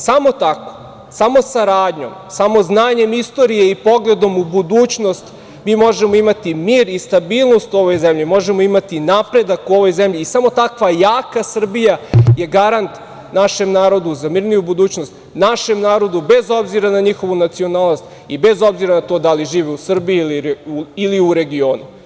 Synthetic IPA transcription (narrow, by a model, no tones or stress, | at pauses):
samo̞t̪ako̥ | samo̞saɾaːd̪ɲo̞̰msamo̞znaːɲe̞mist̪o̞ɾije̞ipo̞ɡle̞d̪o̞mubud̪uːt͡ɕno̞st̪ | miːmo̞ʒe̞mo̞imat̪imiːɾist̪abiːlˠno̞st̪uo̞ʋojzemʎimo̞ʒemo̞imat̪inapɾe̞d̪akuo̞ʋo̞jzemʎiːsamo̞t̪akʋajaːkasr̩bijaje̞ɡaɾant̪ | naʃemnaːɾo̞d̪uzamiːɾnijubud̪uːt͡ɕno̞st̪ | naʃe̞mnaːɾo̞d̪ube̞zo̞bziɾanaɲixo̞ʋunat̪sio̞naːlˠnost̪ | ibe̞zo̞bziɾanat̪o̞ːd̪aliʒiːʋeusr̩bijiiliiliuɾe̞ɡio̞ːnu